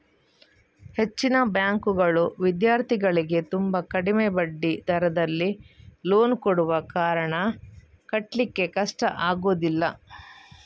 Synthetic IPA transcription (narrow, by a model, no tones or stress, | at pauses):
he̞t͡ʃːinɐbjaːŋkuɡɐɭuʋid̪jaːɾt̪ʰiɡɐɭiɡe̞t̪umbɐkɐɽimebɐɖːid̪ʱɐɾɐd̪ɐlːilo̞ːnkoɽuʋɐkaːɾɐɳɐ | kɐʈlikːe̞kɐʂʈɐʔaːɡoːd̪ilːɐ